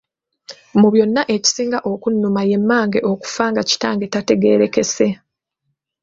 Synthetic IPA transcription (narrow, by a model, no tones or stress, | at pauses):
muβjo̞nːaʔe̞ci̥siːŋɡaʔo̞kunːumaje̞mːaːŋɡe̞ʔo̞ku̥faːŋɡaci̥taːŋɡe̞tate̞ɡe̞ɾe̞ke̞se̞